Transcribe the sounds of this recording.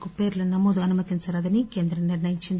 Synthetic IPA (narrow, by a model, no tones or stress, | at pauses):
kupeːɾlɐnɐmoːd̪uɐnumɐt̪int͡sɐɾad̪ɐnike̞ːnd̪ɾɐniɾnɐjiɲt͡ʃːind̪